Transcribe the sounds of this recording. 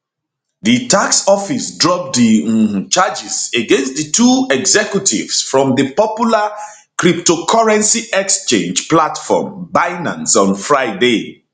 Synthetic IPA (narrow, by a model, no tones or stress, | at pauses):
ðɨtaksɔfisdɹɔp̚dit͡ʃad͡ʒizeɡɛ̃nstðətʰuɛɡzɛkjutʰḭvsfɹɔ̃mðəpɔpjula | kɹip̚tokʰaɹɛ̃nsiʔɛkst͡ʃḛ̃nd͡ʒplatfɔ̰mbaɪnã̰nsɔ̃nfɹaɪde